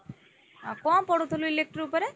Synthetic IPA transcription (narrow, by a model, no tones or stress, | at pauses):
kɔ̃pɔɽut̪ʰuluilek̚ʈɾupɔɾe